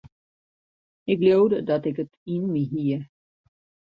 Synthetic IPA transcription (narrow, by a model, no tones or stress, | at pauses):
ɪkljowdədɔtɪkətinmiɦiə